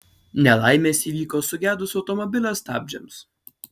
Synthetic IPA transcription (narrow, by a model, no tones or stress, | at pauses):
nʲɛlˠɑɪmʲeːsʲiːʋʲiːkoːsʊɡʲæːd̪ʊsɒʊt̪ɔmɔbʲɪlʲoːst̪ɑ̰ːbʲd͡ʒʲɛms